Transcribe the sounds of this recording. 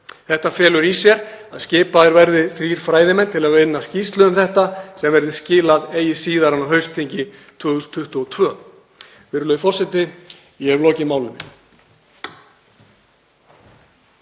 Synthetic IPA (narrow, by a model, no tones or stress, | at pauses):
θɛht̪afjɛːlʏɾisjɛɾaðscɪːpaðɪɾvɛɾðɪθɾiːɾ̥fɾaːjðɪmɛnt̪ʰɪlaðvɪnːascist̪lœʏmθɛht̪asɛmvɛɾðɪscɪːlaðeːjɪsiːðaɾanawɦœɥst̪ʰiɲcɪt̪ʰvœːɣst̪ʰʏht̪uɔt̪ʰvœː | vɪɾlœːjfɔr̥sɛt̪ɪ | iɛvlɔːcɪmaːwlɪnɪ